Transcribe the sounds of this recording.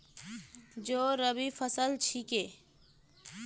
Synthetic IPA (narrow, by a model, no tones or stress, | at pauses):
d͡ʒoːɾəbifʰəsəlt͡ʃʰike